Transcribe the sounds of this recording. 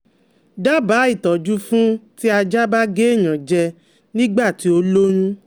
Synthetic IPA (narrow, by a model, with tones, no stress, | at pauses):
da˦baː˨˦i˦˨tɔ˨d͡ʒu˦fũ˦ti˦a˧d͡ʒa˦ba˦ɡe˦˨ɲ̃ã˨d͡ʒɛ˧ | nĩ˦ɡ͡ba˦˨ti˨˦o˧lo˦ɾ̃ũ˦